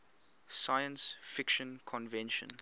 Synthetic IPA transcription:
sajə̃nsfɪkʃə̃nkʰɔ̃nvɛ̃nʃə̰̃n

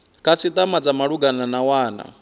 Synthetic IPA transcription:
kʰat͡sʰit̪ʼamad͡zamaɺuɡananawaːna̰

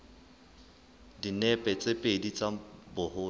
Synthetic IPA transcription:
dinɛpʼɛt͡sʼepʼedit͡sʼabʊhʊː

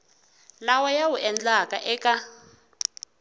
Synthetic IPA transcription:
lawajawuʔɛnd͡ɮakʼaʔɛːka

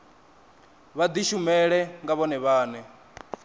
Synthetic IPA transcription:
βad̪iʃumɛɺɛŋɡaβɔnɛβaːnɛ

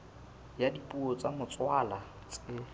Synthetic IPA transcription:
jadipʼuɔt͡sʼamʊt͡sʼwala | t͡sʼɪ

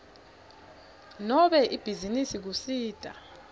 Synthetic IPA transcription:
nɔɓɛʔib̥ʱizinisik̬usiːd̥ʼʱa̰

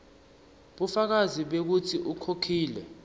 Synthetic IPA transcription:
ɓufak̬aziɓek̬utʰiʔukʰokʰiːlɛ

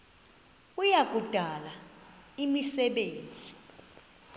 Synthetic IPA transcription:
ujak̬ʼud̥ʱalaimisɛɓeːnd͡zʱi

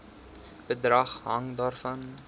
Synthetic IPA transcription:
b̥ədrɐχɦɐ̰ŋdɑːrfɐn

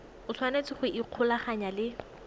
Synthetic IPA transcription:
ʊt͡sʰwanet͡sɪχʊʔiq͡χʰʊlaχaɲalɪ

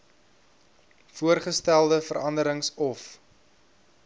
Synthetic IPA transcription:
fuərχəstælˠdəfəɾɐndəɾəŋsɔf

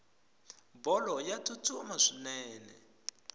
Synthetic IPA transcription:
bɔlɔjatʰutʰumaʂinɛːnɛ

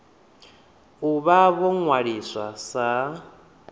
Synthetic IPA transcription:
uβaβɔŋwaɺiswasa

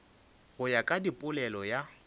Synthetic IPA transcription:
ɣʊjakʼadipʼʊlɛlɔja

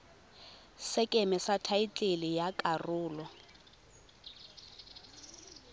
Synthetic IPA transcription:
sɪkʼemɛsatʰait͡ɬʼelɪjakʼarʊːlɔ

